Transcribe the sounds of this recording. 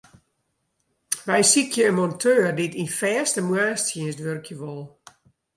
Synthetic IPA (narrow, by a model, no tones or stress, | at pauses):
ʋɛjsikʰjəənmɔntʰøːrditinfɛːstəmwaːstsjiənstʋørkʰjəʋɔlˠ